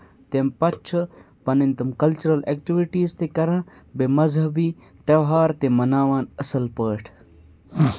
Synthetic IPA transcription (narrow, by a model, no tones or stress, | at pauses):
t̪empɐt͡ʃʰɨ | pɐnint̪ɐmkɐlt͡ʃuɾɐlekʈiʋiʈiːzt̪ekɐɾɐ̃bemɐzɦɐbiː | ʈɐwɦaːɾt̪emɐnaːwaːnɐsɐlpəːʈʰ